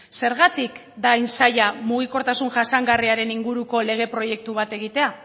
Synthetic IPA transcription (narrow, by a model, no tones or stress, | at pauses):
se̞ɾɣ̞at̪ik | d̪ajnsajamuɣ̞iko̞ɾt̪asunʝasaŋɡariaɾe̞niŋɡuɾuko̞le̞ɣ̞e̞pɾo̞je̞k̚t̪uβ̞at̪e̞ɣ̞it̪e̞a